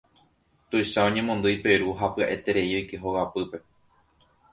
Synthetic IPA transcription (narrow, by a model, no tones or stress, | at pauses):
t̪ujʃaõ̞ɲẽ̞mõnd̪ɨjpe̞ɾuɦapɨaʔe̞t̪e̞ɾe̞io̞jke̞ɦowapɨpe̞